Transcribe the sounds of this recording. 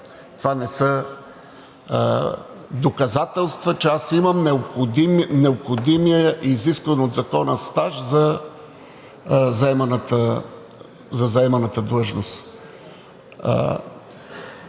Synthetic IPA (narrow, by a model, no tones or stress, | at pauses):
t̪ovanɛsə | d̪okɐzat̪ɛlˠst̪vət͡ʃɛasimɐmnɛopxod̪imnɛopxod̪imiəʔiziskvɐnod̪zɐkɔnəst̪aʃzɐ | zɐɛmɐnət̪ə | zɐzɐɛmɐnət̪əd̪lˠɤʒnost̪